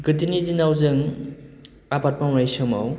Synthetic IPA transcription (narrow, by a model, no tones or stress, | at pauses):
ɡɯtinizinawzɯŋ | apat̚pamɾajsɯma̰w